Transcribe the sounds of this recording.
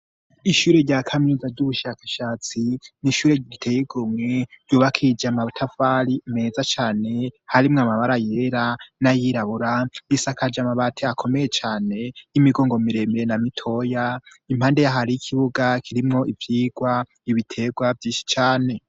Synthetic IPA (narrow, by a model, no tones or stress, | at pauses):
iʃuːɾe̞ɾɟaːkʰaminizavɟuβuʃakḁʃaːt͡siniʃuːɾeɟiitʰejiɡumŋe̞ɾ̥ɟjuːβakʰid͡ʒamatʰafaɾime̞ːzat͡ʃaːne̞haɾimŋamaβaɾaje̞ɾanajiɾaβuɾaisakad͡ʒamaβatʰeakʰo̞me̞je̞t͡ʃaːne̞jimiɡo̞ːŋɡo̞miɾe̞meɾenamitʰo̞ja | im̥haːnde̞jaɦaɾiikʰiβuɡakʰiɾimŋo̞ivjiːɡwa | iβitʰe̞ɡwavjiːnʃi̥t͡ʃaːne̞